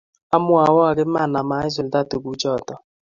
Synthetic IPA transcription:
a˦mʊ˦a˨wɔ˦a˨ɡɪ˦ma˦˨na˨ma˨˦ɪ˦s̬ʊ˨lda˦˨tu˨ɡu˦d͡ʒɔ˦˨tɔ˨

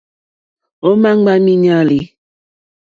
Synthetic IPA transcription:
o˦ma˦ŋ͡mɡ͡ba˦mi˦ɲa˦li˨

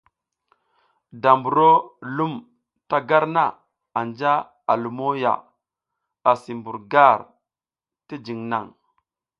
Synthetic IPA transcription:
da˨mbu˨ɾo˦lu˦m | ta˦ɡa˦ɾna˨ | a˨nd͡ʒa˦ | a˨lu˨mo˦ja̰˨ | a˨si˨mbu˨ɾɡa˦˨ɾ | ti˦d͡ʒi˨ŋna̰˨ŋ

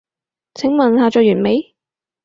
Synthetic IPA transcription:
t͡sʰɪ˨˥ŋmɐ˨nhaː˨˧t͡ʃœː˨˧jyː˨˩nme˨˧j

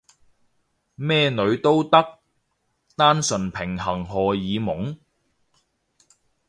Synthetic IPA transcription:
mɛː˥nɵ˨˧ɥt̪o˥wt̪ɐ˥k̚ | t̪aː˥nsɵ˨npʰɪ˨˩ŋɦɐ˨˩ŋɦɔː˨˩jiː˨˧mʊ˨˥ŋ

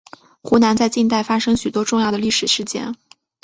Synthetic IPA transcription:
xu˧˥na˧˥nt͡sa˥˧ɪt͡ɕi˥˧nt̪a˥˩ɪfa˥ʂɤ˥ŋɕy˨˩t̪wɔ˥ʈ͡ʂʊ˥˧ŋjɑ˥˩ʊə˩li˥˩ʂɻ̩˨˩ʂɻ̩˧˥˩t͡ɕjɛ̰˥n

